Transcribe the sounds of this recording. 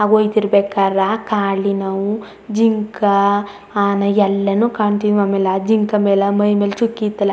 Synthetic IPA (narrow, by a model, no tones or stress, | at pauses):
aːɡoːjt̪iɾbeːkaːɾakaːɭinɐʋu | d͡ʒiŋkɐ | aːnɐjɛlːɐnuːkaːɳt̪iniamelɐd͡ʒiŋkɐmeːlɐmɐjmeːlɐt͡ʃukːit̪ːɐlɐ